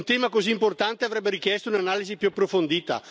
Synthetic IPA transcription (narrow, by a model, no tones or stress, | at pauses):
nt̪ɛːmakoziːmport̪ant̪eavɾɛbːeɾik̟jɛst̪ounanaːlizipjuapːɾofond̪iːt̪a̰